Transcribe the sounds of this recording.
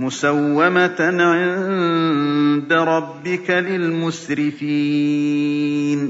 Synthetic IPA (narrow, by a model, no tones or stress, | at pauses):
mʊsawːamat̪ʕɪn | d̪aɾˤɑbːɪkalɪlmʊsɾɪfiː | n